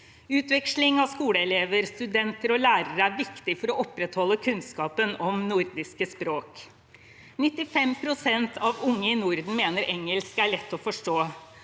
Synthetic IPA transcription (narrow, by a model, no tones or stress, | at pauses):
ʉːt̪ʋɛkʂlɪŋɑʋskuːləɛleːʋəɾst̪ʉd̪ɛnt̪əɾɔlæːɾəɾæɾʋɪkt̪ɪfɔɾɔʔɔpːɾɛt̪hɔlːəkʰʉnskɑːpənɔmnʊɾd̪ɪskəspɾoːk | nɪt̪ːɪfɛmpʰɾʊsɛnt̪ʰɑʋʊŋːəɪnʊɾd̪n̩meːnəɾɛŋəlskæɭɛt̪ːɔfɔʂʈoː